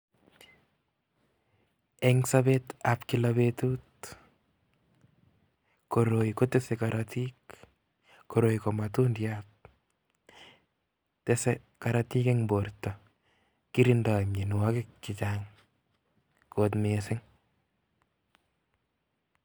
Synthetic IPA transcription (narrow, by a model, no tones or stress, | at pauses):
ɛŋsabetapkilaβetuːt | koɾoikotesekaɾʔatik | koɾojkomatundjat̚ | tese | kaɾatikeŋboɾtɔ | kiɾindamɲenuwakɪkːit͡ʃaŋ | kotmesɪŋ